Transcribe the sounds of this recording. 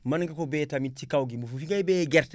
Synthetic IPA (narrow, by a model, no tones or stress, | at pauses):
mɐnŋɡakobɛːtamitikawɡimufufiŋɡajbɛɡɛɾtɛ